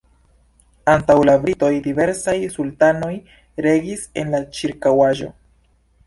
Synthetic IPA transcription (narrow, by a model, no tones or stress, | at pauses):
antawlabɾito̞jdive̞ɾsajsultano̞j | ɾe̞ɡise̞̰nlat͡ʃiɾkawaʒo̞̰